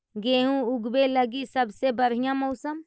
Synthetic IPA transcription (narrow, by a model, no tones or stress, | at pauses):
ɡeːɦũʊɡbeləɡisɐbsebəɾ̤ijãmoʊsəm